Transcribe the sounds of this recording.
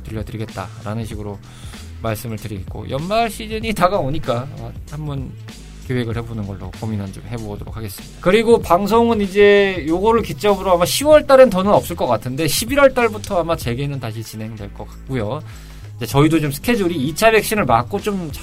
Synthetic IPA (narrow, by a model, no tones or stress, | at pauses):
tɯʎːʌtɯɾiɡe̞t̚t͈a̰ɾanɯnɕʰiɡɯɾo | maɭs͈ɯmɯɭtɯɾiɡet̚k͈o̰jʔʌnmaɭɕʰid͡ʑɯɲitaɡaoɲik͈amhambʌn | kjowe̞ɡɯɭhe̞bonɯnɡʌ̰ɭːo̰kominɯnt͡ɕomhe̞boɡʌdoɾo̰k̚ʰaɡe̞s͈ɯmid̥akɯɾiɡopaŋs̬ʰoŋɯnid͡ʑe̞joɡʌɾɯɭkit͡ɕ͈ʌbɯɾoamaɕʰiwʌɭt͈aɾɯntʌnɯnʌp̚s͈ɯɭk͈ʌk͈atʰɯnde̞ɕʰibiɾwʌɭt͈aɭbutʰʌamat͡ɕe̞ɡenɯntaɕ̬ʰit͡ɕine̞ŋdwe̞ɭk͈ʌk͈ḁk̚k͈ujo | id͡ʑe̞t͡ɕʌidot͡ɕomsʰɯ̥kʰe̞d͡ʑuɾiːt͡ɕʰabe̞k̚ɕ͈inɯɭmak̚k͈ot͡ɕomt͡ɕ